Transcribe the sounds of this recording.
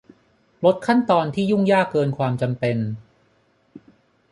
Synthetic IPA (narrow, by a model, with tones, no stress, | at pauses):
lo˦˥t̪̚kʰa˥˩nt̪ɔː˧nt̪ʰiː˥˩ju˥˩ŋjaː˥˩kːɤː˧nkʰwaː˧mt͡ɕa˧mpe˧n